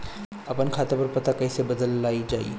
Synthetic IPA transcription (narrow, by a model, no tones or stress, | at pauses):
apəɳkʰat̪apəɾpət̪akəjsebəd̪əlːaid͡ʑaḭ